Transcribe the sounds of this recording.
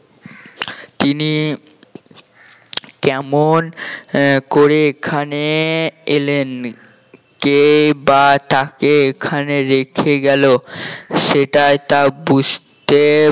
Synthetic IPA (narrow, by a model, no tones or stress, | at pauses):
t̪ini | kɛmon | koɾeekʰaneelen | kebat̪akeekʰaneɾekʰeɡɛloʃeʈaet̪abud͡ʑʱt̪e